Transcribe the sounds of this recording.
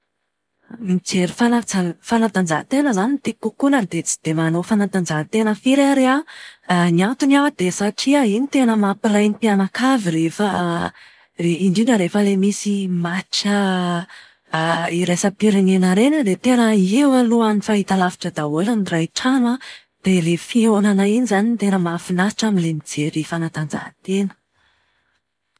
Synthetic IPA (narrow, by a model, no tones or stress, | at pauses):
mit͡seɾifalad͡zafanad̪and͡ʒat̪enəzanit̪ikukunəd̪et͡si̥d̪̥emanofanad̪and͡zaɦt̪enəfiɾaɾea | niant̪unawd̪̥esaʈ͡ʂiainit̪enəmapiɾajnipianakaviɾefa | iɳɖ͡ʐinəɾefəlemisimaʈ͡ʂə | iɾajsapiɾinenaɾenəd̪et̪enəiewaluanifait̪alavi̥ʈ͡ʂəd̪aolanirajʈ͡ʂanwa | d̪̥elefionanainizanint̪enəmafinai̥ʈ͡ʂaminlemid͡zeɾifanat̪and͡za̰ɦət̪enə̥